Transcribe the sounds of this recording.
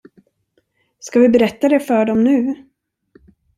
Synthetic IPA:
skavɪbɛɾɛt̪ːad̪ɛfœːɖɔmnʉ̟ː

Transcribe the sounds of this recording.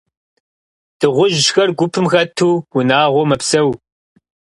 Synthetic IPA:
d̥ɨʁʷʊʒʃxɐrɡʷʊpʰɨmxɐtʰuːwʊnaːʁʷɔmɐpsɐw

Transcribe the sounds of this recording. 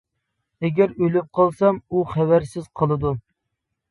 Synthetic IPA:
ɛɡʲæɾølyp̚qʰɑlˠsɑmuχæwæɾsɪz̥qʰəlˠɨd̪u

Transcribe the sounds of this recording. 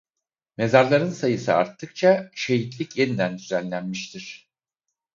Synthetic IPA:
me̞zaɾlˠaɾɯnsajɯsɯa̰ɾt̪ʰːɯk̚t͡ʃʰaʃe̞ɦit̪lʲicjenid̪ænd̪yzænlʲænmiʃt̪ʰiɾ̥

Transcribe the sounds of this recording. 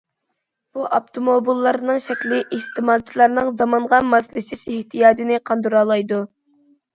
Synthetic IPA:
b̥uʔɑpt̪ʰomobilˠːɑɾnɨŋʃɛkʲlɪʔist̪ʰɨmɑːd̪t͡ʃʰilˠɑɾnɨŋzɑmɑɴʁɑmɑslɪʃɪʃeht̪ʰijɑːd͡ʒinɪqʰɑnd̪uɾɑːlˠɑjd̪u

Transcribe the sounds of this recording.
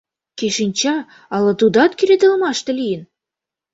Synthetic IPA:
keʃinʲt͡ɕɑ | ɑlɤ̆t̪ud̪ɑt̪kʲiɾʲed̪ɘ̆lmɑʃt̪ɤ̆lʲijɘn

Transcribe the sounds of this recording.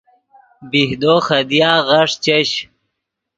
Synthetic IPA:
bihd̪oːxɐd̪ijaːɣɐʂt͡ɕɐɕ

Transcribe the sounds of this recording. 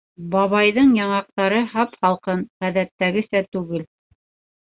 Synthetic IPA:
bɑβɑjðɤɴjɑɴɑq̚t̪ɑɾɤhɑpχɑlˠqɤɴʁæðæt̪ːæɡɘ̆sæt̪ʉɡɘl

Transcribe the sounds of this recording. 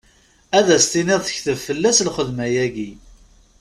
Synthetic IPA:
æðæst̪inɪðˤθəçθəvfəlːæslχəðmæjæʝi

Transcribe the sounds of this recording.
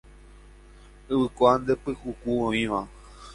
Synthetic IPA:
ɨʋɨkoand̪epɨhukuõĩʋã

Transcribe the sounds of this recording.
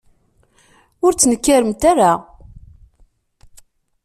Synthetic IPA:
ʊɾt͡sːnəkːaɾəmt̪aɾa

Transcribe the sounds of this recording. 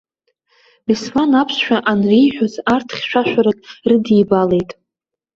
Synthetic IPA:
biswanapʰsʃᶣaʔanrijħᶣozartʰχʲʃʷᶣaʃᶣaɾakʼrɨdiːbale̞jtʼ

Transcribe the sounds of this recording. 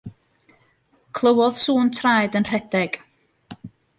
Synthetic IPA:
kʰlˠəwɔðsuːntʰrajdənr̥ɛdɛɡ̥

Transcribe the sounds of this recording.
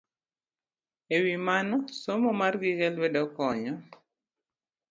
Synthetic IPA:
ewimanɔsomɔmarɡɪɡɛlwɛdɔkɔɲɔ

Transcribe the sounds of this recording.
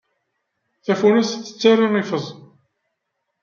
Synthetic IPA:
θæfunæsːə̥t͡sːarːiifəzˤ

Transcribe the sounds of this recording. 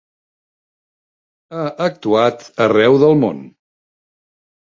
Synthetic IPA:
aʔək̚t̪uat̪ərɛwðəlˠmo̰n

